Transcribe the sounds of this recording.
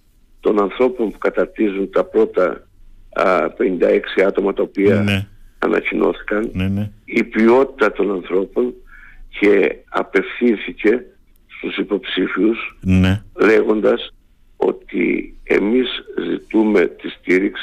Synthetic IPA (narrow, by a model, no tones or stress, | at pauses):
t̪o̞nɐnθɾo̞po̞mpukɐt̪ɐɾt̪izunt̪ɐpɾo̞t̪ɐ̰ | pe̞nind̪ɐe̞ksiɐt̪o̞mɐt̪ɐopiɐ̰ː | nʔɐ̰cino̞̰θi̥kɐnipio̞t̪i̥t̪ɐt̪o̞nɐnθɾo̞po̞ncʰe̞ɐ̰pe̞fθinθice̞ | st̪usipo̞psifius | le̞ɣo̞nd̪ɐs | o̞̰t̪ḭe̞̰mizzit̪ume̞t̪ist̪iɾiks